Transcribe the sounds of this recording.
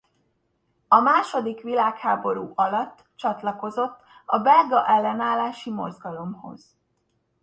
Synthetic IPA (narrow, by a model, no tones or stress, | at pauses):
ɒmaːʃo̞d̪ikʋilaːkhaːbo̞ɾuːʔɒlɒt̪ːt͡ʃɒt̪lɒko̞zo̞t̪ːɒbɛlɡɒʔɛlːɛnaːlːaːʃimo̞̰zɡɒlo̞mho̞̰z̥